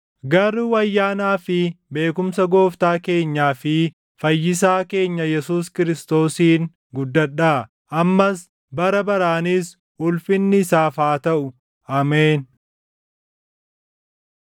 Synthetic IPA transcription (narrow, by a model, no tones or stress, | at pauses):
ɡɐɾuːɐjːaːnaːfɪbe̞ːkʊmsɐɡo̞ːft̪aːke̞ːɲːaːfɪ | fɐjːɪs̬aːke̞ːɲːɐjɛsuːskɪɾɪst̪o̞ːsiːŋ | ɡʊd̪ːɐɗaː | ʔɐmːɐs | bɐɾɐbɐɾaːniːs | ʊlfɪnːɪsaːfaːt̪ɐʔʊ | aːmeːn